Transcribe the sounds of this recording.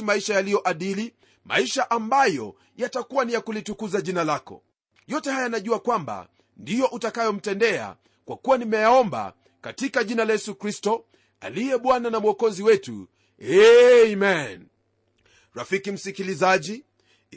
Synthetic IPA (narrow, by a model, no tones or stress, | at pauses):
maiʃajalijɔʔaɗili | ma̰iʃaʔambajɔ̰ | jatakuwanijakulitukuzaʄinalakɔ̰ | jɔtɛhajajanaʄuakwamba̰ | ndijɔʔutakajɔm̩tɛndɛa̰ | kwakuwanimɛjaɔmba̰ | katikaʄinalajɛsukɾistɔ | a̰lijɛɓwananamuɔkɔziwɛtṵ | ɛimɛn | ɾafikim̩sikilizaʄi